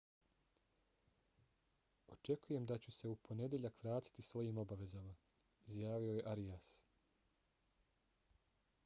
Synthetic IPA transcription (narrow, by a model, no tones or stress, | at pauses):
o̞t͡ʃe̞kuje̞md̪at͡ɕuse̞upʰo̞ne̞d̪jeʎakʋɾaːt̪i̥t̪isʋo̞jiːmo̞baʋe̞zama | izjaːʋio̞je̞ʔaɾijas